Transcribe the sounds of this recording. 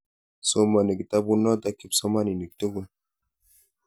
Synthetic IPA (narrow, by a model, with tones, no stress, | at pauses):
so˦ma˨ni˨ki˨t̪a˦bu˦nɔ˦t̪a˦ki˦pso˦ma˦ni˨ni˨k̚t̪o˦ɡu˦˨n